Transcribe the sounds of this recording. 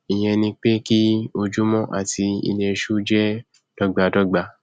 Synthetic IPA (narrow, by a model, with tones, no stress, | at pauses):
i˨j̃ɛ̃˧nĩ˧k͡pe˦ki˦o˧d͡ʒu˦mɔ̃˦ʔa̰˦˨ti˧ḭ˧le˧ʃu˦d͡ʒɛ˦ | d̥ɔ˦ɡ͡ba˧˨dɔ˦ɡ͡ba˧